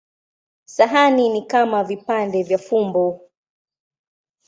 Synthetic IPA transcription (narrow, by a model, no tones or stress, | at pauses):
saɦaninikamavipandɛvjafumbɔ